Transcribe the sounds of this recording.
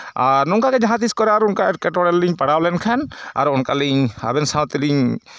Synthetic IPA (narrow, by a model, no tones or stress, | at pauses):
aɾnʊŋkakɛd͡ʒaɦãt̪iskɔɾɛaɾʊnkaɛɾkɛʈɔɽɛlːiɲpaɽawlɛnkʰana̰ɾʊnkaliɲha̰bɛnsaw̃t̪iliɲ